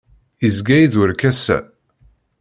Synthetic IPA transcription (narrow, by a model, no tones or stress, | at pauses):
izɡæjiðwəɾkæsæ̰